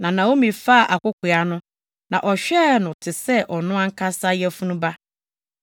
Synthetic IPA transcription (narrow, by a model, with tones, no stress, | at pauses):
nã˨nã˨wo˦mĩ˨fa˦a˨ʔa˨kʷʊ˦kʰʷʊ˨a˦nʊ̃˦ | nã˨ʔɔ˨ɕᶣɛ˦˨nʊ̃˨tʰɪ˨sɛ˦ʔɔ˨nʊ̃˦ã˦ŋ̩˦kʰa˦sa˦jɛ˦fu˦nũ˦ba˦